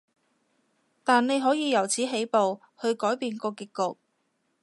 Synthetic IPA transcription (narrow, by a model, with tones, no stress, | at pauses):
t̪aː˨nne˨˧jɦɔː˨˥jiː˨˧jɐ˨˩wt͡sʰiː˨˥ɦe˨˥jpo˨w | hɵ˧ɥkɔː˨˥jpiː˧nkɔː˧ki˨˧kːʊ˨k̚